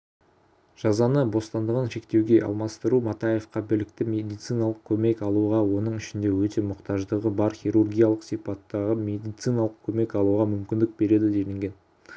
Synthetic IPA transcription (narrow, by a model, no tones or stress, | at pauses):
ʒ̥ɑzɑnəbo̞st̪ɑnd̪əʁənʃe̞kt̪e̞wɡʲe̞ʔɑ̰lˠmɑst̪əɾumɑt̪ɑje̞fqɑbɪlɪkt̪ɪmʲe̞d̪ijt̪sɨjnɑlˠəq̚kʲʰɵme̞kɑlˠuʁɑwo̞nəɴʏʃɪnd̪e̞wɵt̪e̞mʊqt̪ɑʒd̪əʁəbɑɾχʲiɾurɡʲijalˠəqsijpɑt̪ːɑʁəmʲe̞d̪ijt̪sijnɑlˠəqkʲʰɵme̞kɑlˠuʁɑmʏmkʲɪnd̪ɪk̚be̞ɾe̞d̪ɪd̪elɪŋɡʲe̞n